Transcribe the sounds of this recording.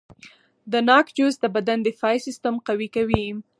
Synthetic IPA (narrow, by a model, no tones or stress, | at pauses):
d̪ənɑkd͡ʒusd̪əbad̪and̪efɑjsɪst̪amqawikawim